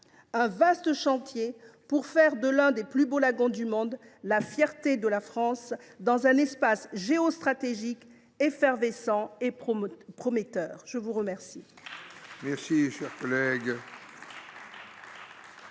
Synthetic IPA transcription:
ɛ̃vast̪əʃɑ̃t̪jepuʁfɛʁd̪əlɛ̃d̪eplybolaɡɔ̃d̪ymɔ̃d̪lafjɛʁt̪ed̪əlafχɑ̃sd̪ɑ̃zɛ̃nɛspasʒeost̪χat̪eʒik | efɛʁvesɑ̃epχɔmet̪œːʁʒ̥əvuʁəmɛʁsi | mɛʁsiʃɛʁkɔlɛɡ

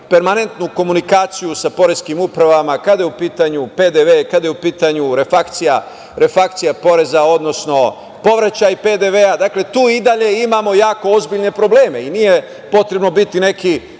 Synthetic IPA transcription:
pe̞ɾmane̞nt̪nuko̞munikaːt̪sijusapo̞ɾeskimupɾaʋamakad̪ajeupiːt̪aɲupe̞d̪eʋekad̪ajeupiːt̪aɲuɾe̞fakt̪sija | ɾe̞fak̚t̪sijapo̞ɾe̞zao̞d̪no̞sno̞ | po̞ʋɾat͡ɕajiped̪eʋead̪akle̞t̪uːid̪aʎe̞imamo̞jaːko̞ozbiʎne̞pɾo̞ble̞ːme̞inije | po̞t̪ɾe̞bno̞bit̪ine̞ki

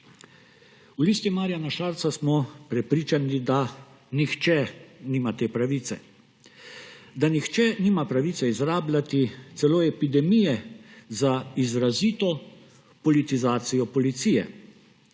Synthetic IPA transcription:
uliːst̪imaːɾijanaʃaːɾt̪sasmɔpɾɛpɾiːt͡ʃanid̪a | nixt͡ʃɛniːmat̪eːpɾaʋiːt̪sɛ | d̪anixt͡ʃɛniːmapɾaʋiːt̪sɛizɾaːblʲat̪it̪sɛloːɛpid̪ɛmijɛzaizɾaziːt̪ɔ | pɔlit̪izaːt̪sijɔpɔlit̪sijɛ̰

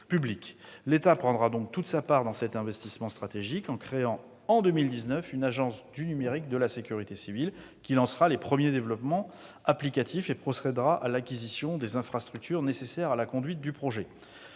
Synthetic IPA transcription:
pybliklet̪apχɑ̃d̪ʁad̪ɔ̃k̚t̪ut̪sapaʁd̪ɑ̃sɛt̪ɛ̃vɛst̪ismɑ̃st̪χat̪eʒikɑ̃kχeɑ̃ | ɑ̃d̪ømild̪iznœfynaʒɑ̃sd̪ynymeʁik̚d̪əlasekʲyʁit̪esivil | kʲilɑ̃sʁalepχəmjed̪evlɔpmɑ̃ | aplikat̪ʰifepχɔsɛd̪ʁaʔalakʲizisjɔ̃d̪ezɛ̃fχast̪χyk̚t̪ʰyʁnesesɛʁalakɔ̃d̪ɥit̪̚d̪ypχɔʒɛ

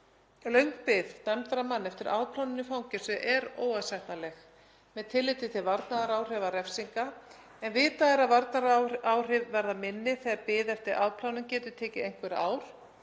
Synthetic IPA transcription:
lœɥŋ̥kpɪðt̪amt̪ɾamanːɛft̪ɪɾʔa̰ːwpʰlawnɪnːɪfawɲcɪ̥sʏʔɛɾoːwasɛjht̪nalɛx | mɛðt̪ʰɪlːɪːt̪ɪt̪ʰɪlvaɾt̪naðaɾaːwr̥ɛvaɾɛfsiŋka | ɛnvɪːt̪aðɪɾaðvaɾt̪naɾaːwr̥ɪvːɛɾðamɪnːɪθɛːɣaɾpɪːðɛft̪ɪɾʔaːwpʰl̥awnʏmcɛːt̪ʏt̪ʰɛːcɪejŋ̥kvɛɾa̰ːwɾ̥

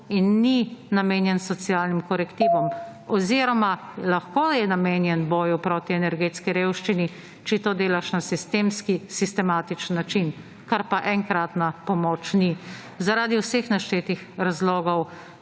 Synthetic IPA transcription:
inːinameːnjɛnsɔt̪sijaːlnimkɔɾɛkt̪iːʋɔmɔziːɾɔmalaxkoːjɛnameːnjɛnbɔːjupɾoːt̪iɛnɛɾɡeːt̪skiɾewʃt͡ʃini | t͡ʃɛt̪oːd̪eːlaʃnasist̪eːmskisist̪ɛmaːt̪it͡ʃənːat͡ʃin | kaɾpaʔɛŋkɾat̪napɔmoːt͡ʃni | zaɾaːd̪iwsexnaʃt͡ʃeːt̪ixɾazloːɡɔw

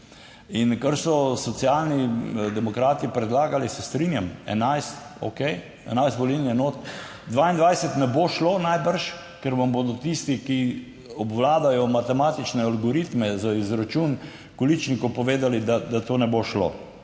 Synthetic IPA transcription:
inkaɾsɔsɔt̪sijalnid̪ɛmɔkɾaːt̪ipɾɛd̪laːɡalisɛst̪ɾinjamɛ̰najst̪o̰kej | ɛ̰najst̪bɔlilniɛnot̪ | d̪ʋaind̪ʋajsɛt̪nɛboʃloːnajbəɾʃ | kɛɾʋamboːd̪ɔt̪ist̪iki | ɔbʋlaːd̪ajɔmat̪ɛmaːt̪it͡ʃnɛalɡɔɾit̪mɛzaizɾat͡ʃun | kɔlit͡ʃnikopɔʋeːd̪alid̪ad̪at̪oːnɛboʃlo̰

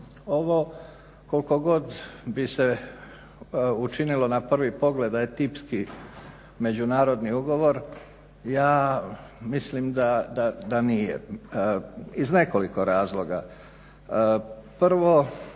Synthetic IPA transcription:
o̞ʋo | ko̞lko̞ɡo̞d̪bise̞ | ut͡ʃinilo̞napr̩ʋipo̞ɡle̞d̪aet̪ipski | me̞d͡ʑunaːɾo̞d̪niuɡo̞ʋo̞ɾ | jaː | mislimd̪ad̪ad̪anijḛ | izne̞ko̞liko̞ɾaːzlˠo̞ɡa̰ | pr̩ʋo̞

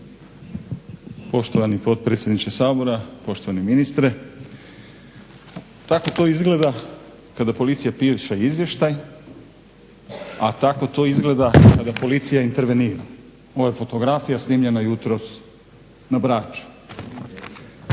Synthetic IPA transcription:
po̞ʃt̪oʋanipo̞d̪̚pɾet̪sʲjed̪nit͡ʃesaːbo̞ɾapo̞ʃt̪o̞ʋaniminist̪ɾe | t̪ako̞t̪o̞izɡle̞d̪a | kad̪apo̞lit̪sijapiʃaiizʋje̞ʃt̪aj | at̪ako̞t̪o̞izɡle̞d̪akad̪apo̞lit̪sijaint̪eɾʋe̞niːɾa | o̞ʋajefo̞t̪o̞ɡɾafijasniːmʎe̞najut̪ɾo̞s | nabɾaːt͡ʃu̥

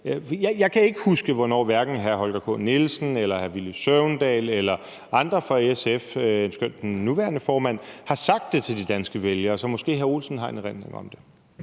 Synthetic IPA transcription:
jaɪjɑ̈ɪkʰæe̝ɡ̥əhusɡ̥əʋɒnɒ̰ːʋæɐɡ̥n̩ɦæɐɦɒ̽lɡ̥ɐpʰɔ̰̽nelsn̩elɐhæɐʋilisøʊnd̥ɛ̰ːlelɐ | ɑ̈nd̥ʁɐfʁɑ̈eesefensɡ̥øn̰d̥enːuʋæːɐnəfɒːmæn̰hɑ̈sɑ̈ɡ̥̚d̥ːe̝t͡sʰe̝ldid̥ænsɡ̥əʋeljɐːsɒ̽mɒ̽sɡ̥e̝̰ːɦæɐo̝̰ːlsn̩ɦɑ̈e̝nʁenne̝ŋɒ̽md̥e̝

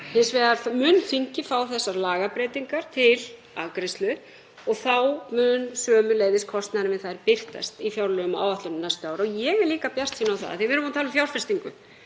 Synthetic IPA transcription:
hɪnsvɛːðaɾmʏːnθiɲcɪfaːwθɛsːaɾlaːɣapɾeːt̪iŋkaɾ̥t̪ʰɪl | a̰kɾɪst̪lʏ | ɔɣθawmʏnsœːmʏleːjðɪskʰɔst̪naðɾɪvɪðθajɾpɪr̥t̪a̰st̪ifjawɾlœɣʏma̰ːwvaht̪lʏnnajst̪ʏaːwɾɔjɛɣɛɾliːkapjast̪siːnawθa̰ða̰θɪvɪɾʏmat̪ʰaːlʏmfjawlfɛst̪iŋkʏ

